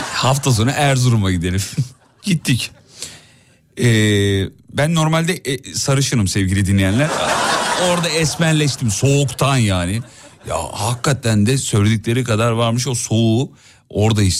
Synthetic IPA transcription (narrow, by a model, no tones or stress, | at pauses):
haft̪ʰas̬o̞nɾaʔæɾzuɾumaɟid̪e̞lʲim | ɟit̪ʰːic | ɛːbænːo̞ɾmalʲd̪ɛʔsaɾɯʃɯɾɯmsɛvɟilʲid̪inlʲːijænlʲæɾ | o̞ɾd̪aɛsmænlʲɛʃt̪ʰimso̞ːkt̪ʰanjaːnɪ | ja̰hakʰːat̪ʰænd̪ɛsø̞jlʲed̪ic̚lʲe̞ɾikad̪aɾvaɾmɯʃo̞so̞u | o̞ɾd̪aiʃ